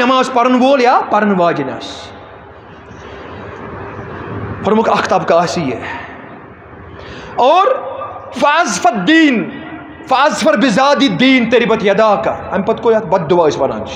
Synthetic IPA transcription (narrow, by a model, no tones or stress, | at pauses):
ɐmaːzpɐɾɐnʋoːljaːpɐɾɐnʋaːd͡ʒinʲa̰ːs | pɐɾmʊkʰɐkʰt̪ɐbkaːsijḛ | ɔːɾfɐɐzfɐd̪iːn | fɐɐzfɐɾbɪzaːd̪id̪iːnt̪eɾibɐt̪jɐd̪aːkɐ̰ɐmʲpɐt̪koːjɐt̪bɐd̪̚ːuʋaːisʋɐna̰ːnt͡ʃ